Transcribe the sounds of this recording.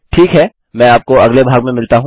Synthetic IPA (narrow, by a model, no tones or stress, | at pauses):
ʈʰiːkɦɛː | mɛ̃ːaːp̚koɐɡlebʱaːɡmẽmɪlt̪aɦũ